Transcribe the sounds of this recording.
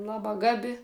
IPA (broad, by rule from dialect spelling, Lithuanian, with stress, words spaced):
ˈlˠɑːbɑː ˈɡɑːbʲɪ